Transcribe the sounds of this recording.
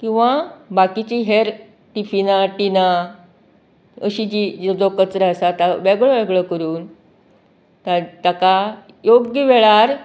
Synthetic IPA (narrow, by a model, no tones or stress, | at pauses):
kĩw̃ʋabakit͡ɕiːɦeɾ | ʈifinaʈina | əɕid͡ʑid͡ʑed͡zokət͡sɾasat̪aʋɛɡɭəʋɛɡɭəkəɾuːn | t̪at̪aka | joɡiʋɛɭaɾ